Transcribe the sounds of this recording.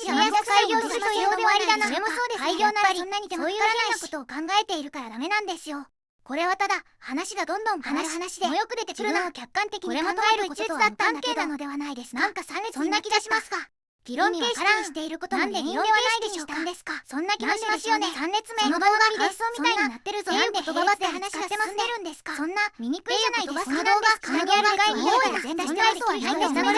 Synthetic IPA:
aaiɡʲoːod̪eβaɾianoɾemoso̞ːd̪esaiɡʲo̞ːnaɾaɾʲiõnːaɲ̟id̪emoːjɯaaaako̞t̪o̞ːkãŋɡae̞t̪e̞iɾɯ̟kaɾad̪ame̞nãnd̪e̞sɨjo | ko̞ɾe̞β̞at̪ad̪a | hanaɕiɡad̪õ̞nd̪õ̞ŋanaanaɕid̪eojokɯ̟d̪e̞t̪e̞ɾɯɯmokʲakːãnt̪e̞kʲiɲɾemõŋoɡaeɾɯkototoɨd̪at̪ːãŋakeːd̪anod̪e̞βanaid̪esɨnãŋkasãsõnːakʲiɡaɕimasɨ̥ɡa | ɡ̥ʲiɾõeaɾaiɕi̥t̪e̞iɾɯkot̪onãnd̪eiõeβaaid̪eɕoːt̪ad̪esɨ̥kasõ̞nːakʲiɡaɕmasjonesãnɾet͡sɨmenod̪ooamʲieomʲioaiinat̪ːe̞ɾɯ̟zoet̪ooad̪eanaɕɡasemaeɾɯ̟̃nd̪esɨ̥kasõnːamʲiɲ̟ikɯ̟anaid̪onad̪onɡ̪eɾɡaeaanaet̪oanaid̪esaɾe

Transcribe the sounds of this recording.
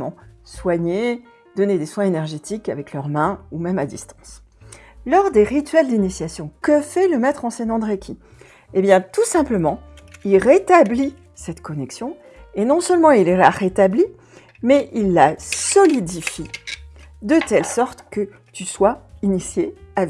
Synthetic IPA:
mɑ̰̃swaɲe | d̪ɔned̪eswɛ̃enɛʁʒet̪ikavɛklœʁmɛ̃umɛmad̪ist̪ɑ̃s | lɔʁd̪eʁit̪ɥɛld̪inisjasjɔ̃kəfɛləmɛt̪χɑ̃senɑ̃d̪ʁekʰʲi | ebjɛ̃t̪usɛ̃pləmɑ̃ | ilʁet̪abli | sɛt̪kɔnɛksjɔ̃ | enɔ̃sœlmɑ̃illaʁet̪abli | mɛilːasɔlid̪ifi | d̪ət̪ɛlsɔʁt̪kə | t̪yswainisjeav

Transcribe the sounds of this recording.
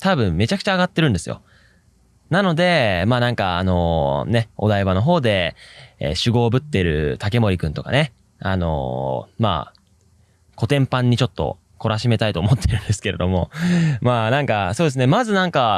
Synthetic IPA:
t̪abɯ̟̃mːe̞t͡ɕakɯ̟̥t͡ɕaːɡat̪ːe̞ɾɯ̟̃nd̪e̞sɨjo̞̰ | nano̞d̪e̞maːnãŋkaano̞̰ne̞o̞d̪aiβano̞ɦo̞ːd̪e̞̰ | ɕɨɡo̞ːbɯ̟t̪ːe̞ɾɯ̟̰t̪ake̞mo̞ɾʲikɯ̟̃nt̪o̞̰ka̰ne̞ | a̰no̞̰ma̰ː | ko̞t̪ẽ̞mpãɲ̟ːit͡ɕo̞t̪ːo̞̰ | ko̞ɾaɕime̞t̪ait̪oːmo̞t̪ʰːeɾɯ̟̃nd̪e̞sɨ̥ke̞ɾe̞d̪o̞mo̞maːnãŋkaso̞ːd̪esɨne̞mazɨnãŋka

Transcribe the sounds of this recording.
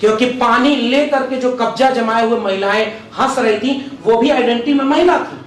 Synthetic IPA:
kjõːkipaːnilekɐɾked͡ʒoːkɐb̚d͡ʒad͡ʒɐmaːeɦuemɐɦɪlaẽ | hɐ̃sɾɐɦit̪ʰĩʋobʱiaːɪɖẽɳʈimẽmɐɦɪlat̪ʰiː

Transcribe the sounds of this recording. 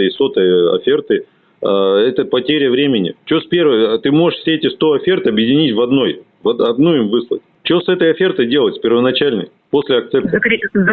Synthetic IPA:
əɪsot̪əjəɐ̰fʲe̞rt̪ɨ | ɛt̪əpɐtʲeɾʲɪəvɾʲemʲɪnʲɪ̰t͡ɕospʲervət̪ɨmo̞ʐɨʂfsʲeetʲɪst̪o̞ɐfʲert̪ɐbjɪdʲɪnʲitʲvɐd̪no̞j | vɐd̪ɐd̪nuimvɨslˠə̰tʲ | t͡ɕosɛt̪əjɐfʲe̞rt̪əjdʲe̞lˠətʲsʲpʲɪrvənɐt͡ɕælʲnə̰j | po̞sʲlʲɪɐk̚t̪sɛnt̪

